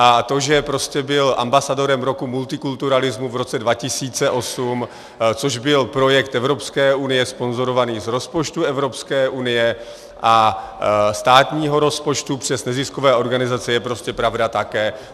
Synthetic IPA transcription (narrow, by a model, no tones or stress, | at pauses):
ʔat̪o̞ʒɛpɾo̞scɛbɪlʔa̰mbasado̞ɾɛmɾo̞kumult̪ɪkult̪uɾalɪzmuvɾo̞t͡sɛdvacɪsiːt͡sɛʔo̞sum | t͡soʒbɪlpɾo̞jɛkt̪ɛvɾo̞pskɛːunɪjɛspo̞nzo̞ɾo̞vaniːzɾo̞spot͡ʃt̪uɛvɾo̞pskɛːʔunɪjɛ | ʔa | st̪aːt̪ɲiːɦo̞ɾo̞spo̞t͡ʃt̪upr̝̥ɛsnɛzɪskovɛːʔo̞ɾɡanɪzat͡sɛjɛpɾo̞scɛpɾavdat̪akɛː